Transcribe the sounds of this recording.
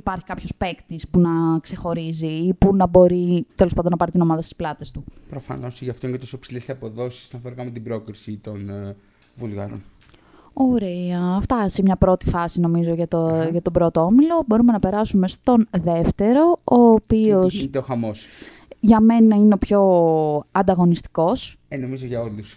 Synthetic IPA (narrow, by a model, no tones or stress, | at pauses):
ipɐɾçi̥kɐpço̞spe̞kt̪ispunɐkse̞xo̞ɾiziːpunɐbo̞ɾit̪elospɐnd̪onɐpɐɾit̪ino̞mɐðɐst̪i̥splɐt̪e̞st̪upɾofɐ̰no̞sʝɐft̪oinet̪osopsilessɐpo̞ðo̞si̥sɐnfoɾikɐmet̪ibɾo̞kɾisit̪o̞n | vulɣɐ̰ɾo̰n | oɾeɐːft̪ɐsemɲɐpɾo̞t̪i̥fɐsino̞mizo̞ʝɐt̪ʝɐt̪o̞bɾo̞t̪oomilo̞bo̞ɾume̞nɐpe̞ɾɐsume̞st̪o̞nðe̞ft̪e̞ɾo̞oːpio̞st̪eoxɐmo̞s | ʝɐme̞nnɐineo̞pço̞ɐnd̪ɐɣo̞nist̪i̥ko̞s | enomizoʝɐo̞lus